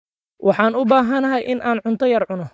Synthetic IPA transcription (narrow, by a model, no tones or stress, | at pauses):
wʔɑħɑːnʊbaːɦɐnɐɦɐjʔɪnʔaːnʕʊnt̪ʰɔjɐrʕʊnɔ